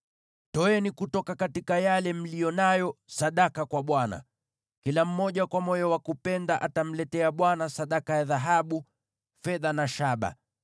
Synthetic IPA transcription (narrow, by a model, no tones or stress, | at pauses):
tɔɛnikutɔkakatikajalɛm̩lijɔnajɔsaɗakakwaɓwana̰ | kilam̩mɔʄakwamɔjɔwakupɛndaʔatam̩lɛtɛaɓwanasaɗakajaðaɦaɓu | fɛðanaʃaɓa̰